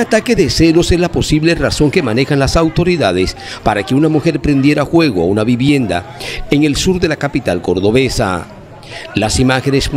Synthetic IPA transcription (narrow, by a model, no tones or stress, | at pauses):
at̪ake̞ðese̞lo̞sezlapo̞siβle̞raso̞ŋke̞mane̞xanlasawt̪o̞ɾiðaðes | paɾake̞unamuxe̞ɾpɾe̞nd̪je̞ɾaxwe̞ɣoa̰unaβiβje̞nd̪a̰eŋe̞lsuɾðe̞lakapit̪alko̞ɾðo̞βe̞sa̰ | lasimaxenes